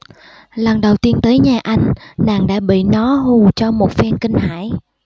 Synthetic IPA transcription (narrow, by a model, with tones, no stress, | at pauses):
lə˨˩nɗə˨˩wt̪i˧ənt̪əː˨˦jɲaː˨˩ʔa˧jŋ̟na̰ː˨˩ŋɗa̰ː˧˥ɓḭ˧˨nɔ˨˦ɦu˨˩t͡ɕɔ˧mo˨˩t̚fɛ˧nkï˧ŋ̟haː˧˩˨j